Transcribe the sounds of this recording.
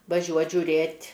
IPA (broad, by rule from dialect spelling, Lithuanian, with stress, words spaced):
ʋɐˈʒʲuɔt ʒʲʊˈrʲeːtʲ